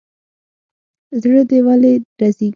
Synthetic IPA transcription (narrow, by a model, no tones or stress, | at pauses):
zɽəd̪ewaleɾaziɡ